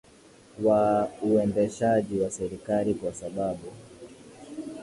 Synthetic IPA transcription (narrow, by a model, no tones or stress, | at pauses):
wauɛndɛʃaʄiwasɛɾikalikwasaɓaɓu